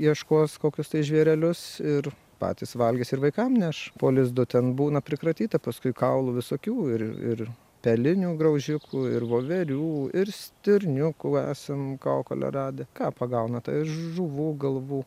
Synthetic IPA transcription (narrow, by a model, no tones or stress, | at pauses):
iɛʃkoːskoːkʲʊst̪ɐɪʒʲʋʲiɛɾʲɛlʲʊsɪr | pɑ̰ːt̪ʲisʋɐlʲɡʲɛsɪɾʋɐɪkɐmnʲɛʃpoːlʲɪzd̪ʊt̪ʲɛnbuːnɐpʲɾʲɪkɾɐt̪ʲiːt̪ɐpɐskʊɪkɐʊlˠʊʋʲɪsoːkʲuːɪɾɪ̰r | pʲɛlʲɪnʲuːɡrɐʊʒʲʊkʰuɪɾʋoːʋʲɛɾʲuːɪrsʲt̪ʲɪɾʲnʲʊkuːæːsʲɛmkɐːko̰lʲɛ̰rɑːd̪ʲekɑːpɐɡɐʊnɐt̪ɐ̰ɪʒuʋuːɡɐlˠʋuː